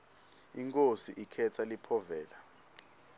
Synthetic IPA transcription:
iŋkʼosiʔikʰɛtʰalipʰɔvɛːla

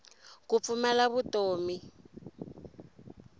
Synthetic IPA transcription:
kup̪fumalaβutoːmi

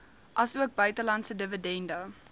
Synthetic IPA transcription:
ʔɐsuək̚bœɥtəlɐntsədəvədɛndə

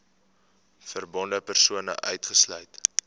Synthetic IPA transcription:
fərbɔndəpərsuənə̰ʔœɥtχəslœɥt

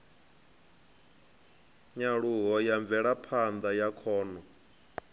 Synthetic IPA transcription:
ɲaɺuɦɔjaɱvɛɺapʰand̪ajakʰɔːnɔ

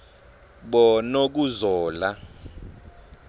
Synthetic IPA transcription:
ɓɔnok̬uzɔːla

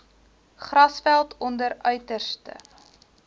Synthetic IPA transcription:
χrɐsfælˠtʰɔndəɾœɥtərstə̰

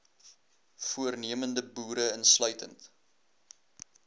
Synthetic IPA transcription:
fuərniəməndəbuːɾəənslœɥtə̰nt

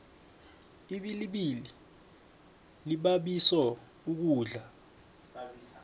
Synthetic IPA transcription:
iɓiliɓili | liɓaɓisɔ | uk̬uːɮa

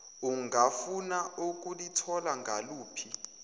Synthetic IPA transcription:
uŋafunauk̬ʼulitʰɔlaŋɡʱaluːpʰi

